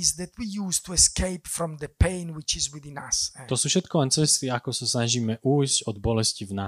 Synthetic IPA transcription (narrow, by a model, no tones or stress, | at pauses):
zd̪ɛt̪ʰwijuːst̪uɛskʰeɪpfɾɔ̃md̪əpẽɪnwit͡ʃizwiðĩna̰st̪ɔsuːfʃɛt̪kɔlɛnt͡sɛst̪iakɔsasnaʒiːmɛʔuːjzɟɔd̪bɔlɛscivna